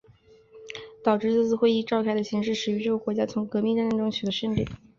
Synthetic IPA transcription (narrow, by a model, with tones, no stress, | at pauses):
t̪ɑ˨˩ʊʈ͡ʂɻ̩˥˧t͡sɹ̩˥˧t͡sʰɹ̩˨˩xwe˥˧ɪi˥˧ʈ͡ʂɑ˥˧ʊkʰa˥˩ɪd̪ə˩ɕi˧˥ŋʂɻ̩˥˩ʂɻ̩˨˩y˧˥ʈ͡ʂɤ˥˩˧kwɔ˧˥t͡ɕja˥t͡sʰʊ˧˥ŋkɤ˧˥mi˥˧ŋɻə˥˧nɻə˥˩nʈ͡ʂʊ˥ŋt͡ɕʰy˨˩d̪ə˦ʂə˥nt̪ḭ˥˩˦